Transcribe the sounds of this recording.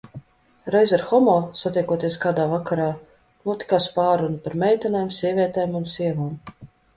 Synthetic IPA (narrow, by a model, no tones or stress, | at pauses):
ɾɛjzaɾxɔmɔːsat̪ʲiɛkuɔt̪iɛskaːd̪aːvakaɾaː | nuɔt̪ʲi̥kaːspaːɾunupaɾmʲɛjt̪ʲanajmsʲiɛvʲiɛt̪ɛːmunsʲiɛvaːm